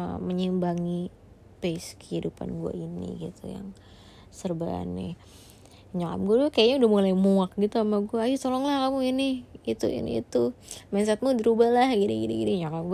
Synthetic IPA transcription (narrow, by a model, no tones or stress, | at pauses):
məɲimbaŋi | peskəhidupa̰nɡua̰inḭɡit̪ʰuja̰ŋ | sərbaa̰nːɪ̰ | ɲaka̰mɡuadʊkajaɲaudahmulajmuak̚ɡit̪uamaɡuaːjutolɔŋlahkamuinɪit̪uḭnḭːt̪umansat̪̚mudəɾubalahɡidiɡidiɡidiɲakamɡ